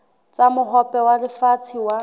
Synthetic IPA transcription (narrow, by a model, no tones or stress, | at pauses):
t͡samʊχɔpʼɛwadɪfatʰiwa